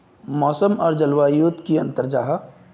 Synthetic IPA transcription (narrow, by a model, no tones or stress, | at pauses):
mɔːsəmɔːɾd͡ʒəlwaːjuːt̪kiə̃nt̪əɾd͡ʒaːɦ